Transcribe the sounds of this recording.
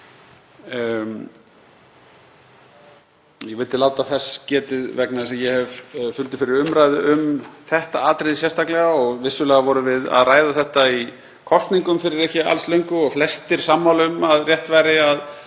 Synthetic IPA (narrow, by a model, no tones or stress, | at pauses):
jɛvɪlt̪ɪlaːwt̪aðθɛsːcɛːt̪ɪðvɛknasɛmjɛhɛvfʏnt̪ɪ̥fɪɾɪɾʏmɾaːjðɪʏmθɛht̪aaːt̪ɾejðɪsjɛst̪aklɛɣaɔɣvɪsːʏlɛːɣavɔɾʏvɪða̰ðraːjðaθɛht̪ai | kʰɔst̪niŋkʏmfɪɾɪɾɛhcɪa̰lslœɥŋkʏɔɣflɛst̪ɪɾ̥samːawlʏmaðrjɛht̪vajɾɪað